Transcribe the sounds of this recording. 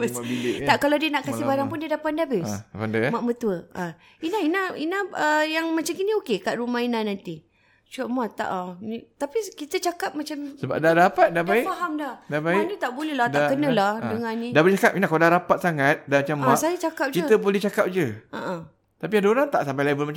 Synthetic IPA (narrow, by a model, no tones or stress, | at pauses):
asit̪akalawdiənaʔkasibaɾaŋpʊndiədapat̪̚dabɪspandəmaʔmət̪uəʔa | inainainaəjaŋmat͡ʃamkiniokekaʔɾumainahnant̪i | t͡ʃuaʔmat̪a̰ʔnit̪apikit̪ət͡ʃakap̚mat͡ʃamsəba̰p̚dadapat̪̚dabaifaɦamdahdabaindit̪aʔbolelahtdaʔkənəlahdəŋãnːĩdabst͡ʃakap̚inahkaladaɾapat̪̚saŋat̪̚damat͡ʃamːasajat͡ʃakap̚d͡ʒkiət̪əbolɛht͡ʃakap̚d͡ʒəa̰ʔa | t̪apiadoɾaŋt̪aʔsampajlabəlmat͡ʃa